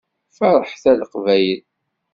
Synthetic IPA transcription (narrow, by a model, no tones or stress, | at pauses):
fɑɾˤəħθæləqvæjəl